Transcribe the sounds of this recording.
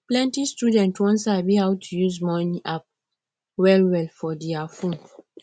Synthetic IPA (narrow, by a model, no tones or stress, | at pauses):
plɛ̃ntistudɛ̃ntwɔ̃ns̬abihawtʰujuzmɔ̃niʔap̚ | wɛlwɛlfɔdiafũn